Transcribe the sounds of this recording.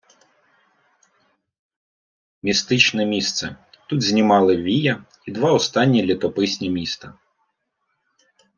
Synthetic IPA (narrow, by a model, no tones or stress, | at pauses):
mʲist̪ɪt͡ʃnɛmʲist̪sɛ | t̪ud̪zʲnʲimɑlˠɪʋʲijɐ | id̪ʋɑɔst̪ɑnʲːilʲit̪ɔpɪsʲnʲimʲist̪ɐ